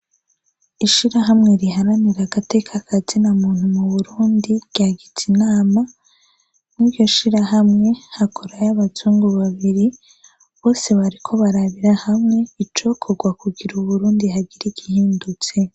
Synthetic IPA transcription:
iʃiɾaɦamŋe̞ɾiɦaɾaniɾaɡate̞kʰakʰazinamuːnhumuβuɾuːndiɟ̥aɡit͡sinaːma | niβjo̞ʃiɾaɦamŋe̞hakʰoɾajaβatuːŋɡoβaβiɾi | βo̞ːse̞βaɾikʰo̞βaɾaβiɾahamŋe̞it͡ʃo̞kʰoɡwakuɡiɾuβuɾuːndiɦaɡiɾiɡihiːndut͡se̞

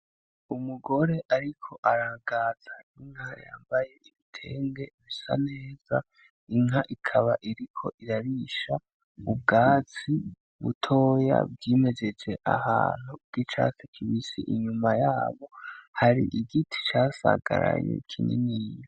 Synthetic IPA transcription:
umuɡo̞ɾe̞ʔaɾikʰo̞ʔaɾaɡaz̥aiŋ̥ɦaja̰ːmbaje̞ʔiβitʰe̞ːŋɡe̞βisa̰ne̞ːz̥a | iŋɦaʔikʰaβaʔiɾikʰo̞̰ʔiɾaɾiʃa | ub̚ɡaːt͡si | βṵtʰo̞ːja̰bɟiːme̞zet͡seʔa̰haːn̥huɡ̥it͡ʃa̰ːsekʰiβisḭʔiɲumajaːβo̞haɾiʔiɡitʰi̥t͡ʃaːsa̰ɡ̥a̰ɾa̰jḛkʰinḭniːjo

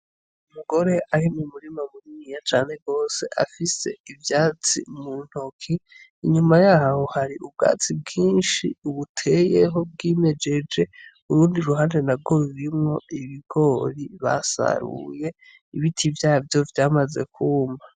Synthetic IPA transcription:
umuɡo̞ɾe̞ʔaɾimumuɾimamuɲijat͡ʃaːn̥e̞ɡo̞ːse̞ʔa̰fise̞ivjaːt͡sḭmun̥hokʰiː | ɲumajaːhho̞haɾiub̚ɡa̰ːt͡sib̚ɡiːnʃḭuβutʰe̞je̞ɦo̞b̚ɡiːme̞d͡ʒe̞d͡ʒe̞ | uɾuːndiɾuhaːndenaɡo̞ɾuɾimŋo̞iβiɡo̞ɾiβa̰sa̰ɾṵje̞ | iβitʰivjaːhavjo̞vjaːmaze̞̰kʰuːma

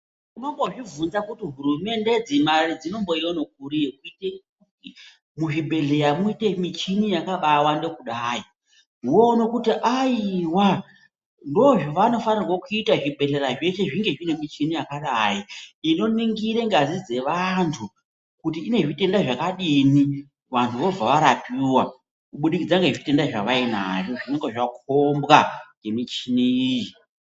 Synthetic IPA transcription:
kuno̞mbo̞ʐivunzakutiɦurume̞nde̞d͡zimarid͡zino̞mbo̞ijonok̚uɾijekuite | u | i | muʐibʱe̞ɮe̞ɾamuite̞mit͡ʃinijakaɓawande̞kuɗaːi | niwoːnokutiʔaiwa | ndoʐiʋano̞fanirwokuitaʐibʱe̞ɮe̞ɾaʐe̞ʃe̞ʐiŋɡe̞ʐine̞mit͡ʃinijakaɗajiino̞niŋɡiɾe̞ŋɡazid͡ze̞ʋantʰu | kutiːne̞ʐite̞ndaʐakaɗini | ʋantʰuʋo̞b͡vaʋaɾapiwa | kuɓuɗikid͡zaŋɡe̞ʐite̞ndaʐaʋaina̰ʐo̞ʐine̞ŋɡeʐak̚ʰombɣaŋɡe̞mit͡ʃiniiji

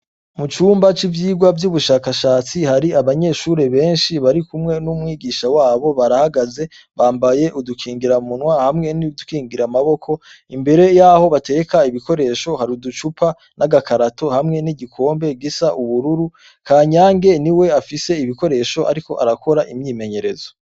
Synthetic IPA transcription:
mut͡ʃuːmbat͡ʃivjiːɡwavjuβuʃaːkaʃaːt͡sihaɾiaβaɲe̞ːʃuɾe̞βe̞ːnʃiβaɾikumŋe̞numŋiːɡiʃawaːβo̞βaɾahaɡaze̞ | βaːmbaje̞ʔudukʰiːŋɡiɾamunwahamŋe̞nidukiːŋɡiɾamaβo̞kʰo̞ | imbe̞ɾe̞jaːho̞βate̞kaiβiko̞ɾe̞ːʃo̞haɾudut͡ʃupʰa | naɡakaɾato̞hamŋe̞niɟikʰo̞ːmbe̞ɡisaʔuβuɾuɾu | kʰaːɲaːŋɡe̞niwe̞afise̞iβiko̞ɾe̞ːʃo̞ʔa̰ɾiko̞ʔa̰ɾakʰo̞ɾaʔimɲiːme̞ɲe̞ɾe̞zo

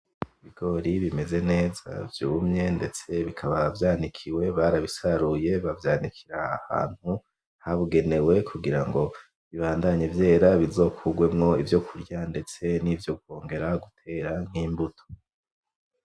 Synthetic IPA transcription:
iβiɡo̞ɾiβime̞ze̞ne̞ːza̰vjuːmɲe̞nde̞t͡se̞βikʰaβavjaːndikʰiwe̞βaɾaβisaɾuje̞βavjaːndikʰiɾa̰ːha̰ːn̥hu | haβuɡe̞ne̞we̞kʰuɡiɾaŋɡo̞ | βiβaːndaɲevje̞ːɾaβizo̞kʰuɡwe̞mŋo̞ivjo̞kʰuɾɟande̞t͡se̞nivjo̞ɡ̚o̞ːŋɡe̞ɾaɡutʰe̞ːɾaŋ̥hiːmbutʰo̥

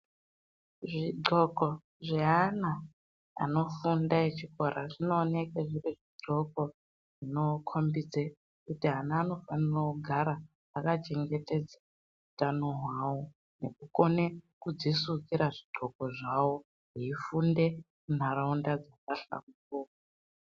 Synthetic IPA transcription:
ʐiɡ͡ǃʱoko | ʐeɦana̰ː | no̞fundaet͡ʃiko̞ɾaʐino̞ːnekeʐiriʐiɡ͡ǃʱo̞ko̞ | ʐino̞kʰombid͡ze | kutiɦanaːno̞fanirakuɡʱaɾaː | akat͡ʃe̞ŋɡe̞te̞d͡za | utanoɦwawo | ne̞kuko̞nekud͡zisukiɾaʐiɡ͡ǃʱoko̞ʐawo | ɦiifunde̞ | mun̤araundad͡zakaɬa̰mukoːko

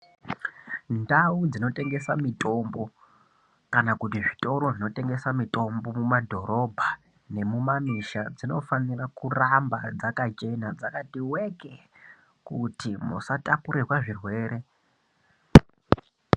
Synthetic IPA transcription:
ndaud͡zino̞tʼe̞ŋɡe̞samitʼo̞mbo̞ | kanakut̬iʐito̞ɾo̞ʐino̞te̞ŋɡe̞samito̞mbo̞mumadʱo̞ɾo̞bʱa | ne̞mumamiʃad͡zino̞fanirakurambad͡zakat͡ʃe̞nad͡zakatiwe̞ke | kutimṵsatapuɾerwaʐirwe̞ːɾʔe̞

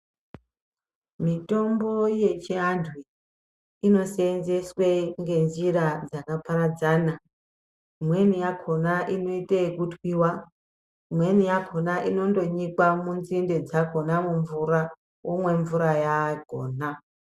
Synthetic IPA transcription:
mito̞mbo̞je̞t͡ʃiɦandʱwi | ino̞seːnze̞sweŋɡe̞nziɾad͡zakapaɾad͡zaːna | imwe̞nijakʰo̞naʔino̞itekutwiwa | imwe̞nijakʰo̞naʔino̞ndo̞ɲikwamunzinde̞d͡zakʰo̞namuɱvuɾa | womwe̞ɱvuɾajaɡʱoːna

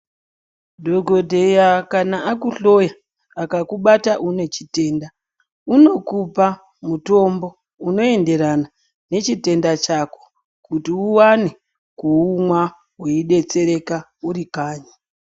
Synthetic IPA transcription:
dʱo̞ɡʱo̞dʱejakanaakuɬo̞jaː | kakuɓataʔune̞t͡ʃi̥te̞ːnda | uno̞kupa | muto̞mbo̞ | uno̞e̞nde̞ɾana | ne̞t͡ʃite̞ndat͡ʃako̥ | kutiuwane | kuumwa | weiɗe̞t͡se̞ɾe̞kauɾikaːɲa

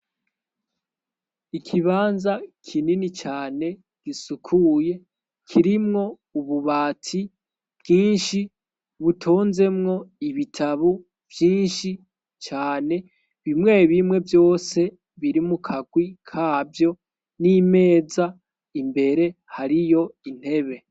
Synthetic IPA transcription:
ikʰiβaːnzakʰininit͡ʃaːne̞ | ɡ̥isukʰuje̞ | kʰiɾimŋo̞ | uβuβaːtʰi | b̥ɡiːnʃi | βutʰoːnze̞mŋo̞iβitʰaβu | v̥jiːnʃi | t͡ʃaːne̞ | βimŋe̞ːβimŋe̞vjo̞ːse̞ | βiɾimukʰaɡwikʰaːvjo̞ | nime̞ːza | imbe̞ɾe̞haɾijo̞in̥he̞βe̞

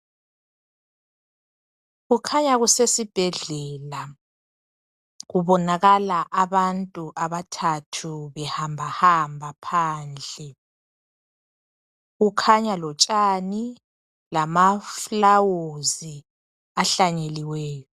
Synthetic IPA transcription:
ɣukʰaɲaɣusesib̥ʱɛɮɛla | ɣuβɔnaɣalaʔaβantʼuʔaβatʰatʰuβɛhambʱahambʱapʰaːnd͡ɮʱɛ | ɣukʰaɲalɔt͡ʃʼani | lamaflawozi | aɬaɲeliwɛːjɔ

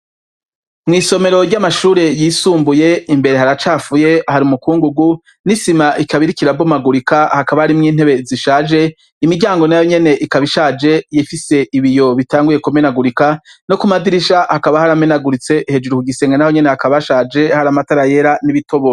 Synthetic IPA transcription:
mŋiːso̞me̞ɾo̞ɾɟamaʃuːɾe̞jiːsuːmbuje̞imbe̞ɾe̞haɾat͡ʃaːfuje̞haɾiumukuːŋɡuɡu | nisimaʔikaβiɾikiɾabomaɡuɾikahakaβahaɾimŋiːn̥e̞βe̞ziʃaːd͡ʒe̞ | imiɟaːŋɡo̞najo̞ɲe̞ne̞ʔikaβiʃaːd͡ʒe̞jifise̞ʔiβijo̞βitaːŋɡuje̞kumenaɡuɾikano̞kumadiɾiʃahakaβahaɾamenaɡuɾit͡se̞ʔhed͡ʒuɾukuɡise̞ːŋɡanaho̞ɲe̞nehakaβaʃaːd͡ʒe̞haɾamataɾaje̞ɾaniβito̞βo

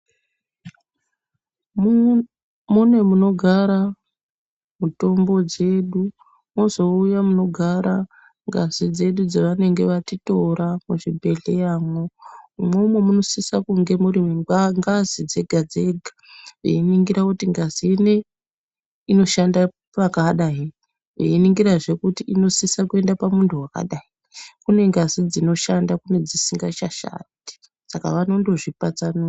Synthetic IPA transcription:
munwe̞muno̞ɡʱaɾa | muto̞mbo̞d͡ze̞ːɗu | mo̞zo̞ujamuno̞ɡʱaɾa | ŋɡazid͡ze̞ɗud͡zaʋane̞ŋɡe̞ʋatito̞ɾamuʐibʱe̞ɮe̞jaːmo̞umwe̞umwemuno̞sisakuŋɡe̞muɾimŋɡazid͡ze̞ɡʱad͡ze̞ɡʱḁʋḛiniŋɡiɾakutiŋɡazine | ino̞ʃanda | pakaɗaɦi | ʋḛiniŋɡiɾaʐe̞kutiino̞sisakue̞ndapamuntʰuwaka̰ɗai | kune̞ŋɡazid͡zino̞ʃandakune̞d͡zisiŋɡat͡ʃaʃa̰ti̥ | saka̰ʋano̞ndo̞ʐipat͡sano

